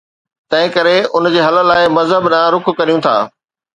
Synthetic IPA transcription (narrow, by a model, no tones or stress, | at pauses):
t̪ɐ̃ɦɪ̃kɐɾeʊnd͡ʑeːɦɐlə̆laːɪmɐzɦəbnãɾʊkʰkɐɾijũt̪ʰa̰ː